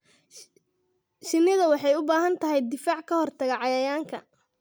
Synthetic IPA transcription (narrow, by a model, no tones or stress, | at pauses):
ʃɪnːɪðɐwɑħɑjʊbaːɦɐnt̪ʰɐɦɛjd̪ɪfaːʕkʰɐhɔrt̪ʰɐɣɐʕɑjɐjaːŋkʰɐ̰